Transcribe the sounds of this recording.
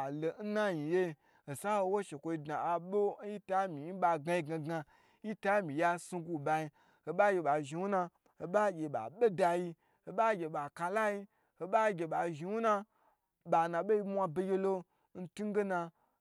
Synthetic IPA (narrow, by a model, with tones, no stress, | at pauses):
a˨lo˨n̩˦na˦ji˨je˦ | o˨sa˦ho˧wo˦ʃe˨kʷo˧i˧dna˨a˨ɓo˦ji˦ta˦mi˨˦ɓa˧ɡa˧ji˧ɡa˧ɡa˧ | ji˦ta˦mĩ˨ja˧su˧ɡu˧ba˧ji˧ | ho˨ɓa˦ɡʲe˧ɓa˨ʒi˨wu˦na˧ | o˨ɓa˦ɡʲe˨ɓa̰˨ɓe˦da˧ji˧ | o˨ɓa˦ɡʲe˨ɓa˨ka˧la˦ji˧ | ho˨ɓa˦ɡʲe˧ɓa˨ʒi˨wu˦na˧ | ɓa˨nã˨ɓe˦i˧mʷ˦a˧be˧ɡʲe˧lo˦ | n̩˦tu˦ɡe˦na˧